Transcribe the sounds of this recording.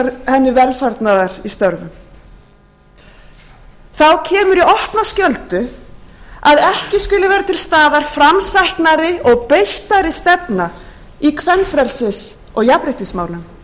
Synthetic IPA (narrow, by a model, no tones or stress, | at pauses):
ɾhɛnːʏvɛlfaɾt̪naðaɾ̥ist̪œɾvʏm | θawcʰɛːmʏɾiɔhpnascœlt̪ʏ | aðɛhcɪskʏlʏvɛːɾat̪ʰɪlst̪aːðaɾ̥fɾamsajhknaɾɪɔɣpejht̪aɾɪst̪ɛpna | ikʰvɛnːfɾɛɾsɪs | ɔɣjapɾeht̪ɪsmaːwlʏm